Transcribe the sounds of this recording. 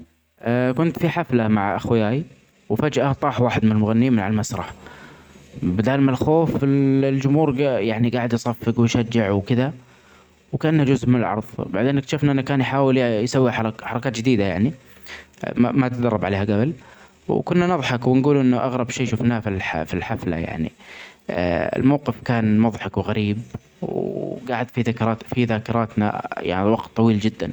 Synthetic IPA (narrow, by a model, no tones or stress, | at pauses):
ʔakʊnt̪fiħaflamaʕʔa̰xwjaːj | wfad͡ʒʔat̪ˤɑːħwaːħɪd̪mɪnɪlmʊɣanːiːmɪnʕalmasɾˤɑħ | bɪd̪aːlmalxoːfɪlld͡ʒʊmhuːɾjaʕniɡaːʕɪd̪jsˤɑfːɪkwʃad͡ʒːɪʕwkɪða | wkaʔanːhad͡ʒʊzʔmɪnɪlʕɑ̰ɾˤðˤbaʕd̪eːnkt̪aʃɪfnaʔɪnːakaːnjħaːwɪljsawːiħħɑɾˤɑkaːt̪d͡ʒɪd̪iːd̪aja̰ʕni | ma̰mat̪d̪ɑɾrˤːɑbʕaleːhaɡabl | wkʊnːanɑðˤħɑkwɪnɡuːlʔɪnːʊʔaɣɾˤɑbʃeːjʃuːfnaːfilħfilħafla̰ja̰ʕnḭ | ɪ̰lmawqɪfkaːnmɑðˤħɑkwɪɣaɾiːb | wɡaːʕɪd̪fiðaːkɾˤɑːt̪fiðaːkɪɾˤɑːt̪na̰ja̰ʕniwɑɡt̪ˤːɑwiːld͡ʒɪd̪ːan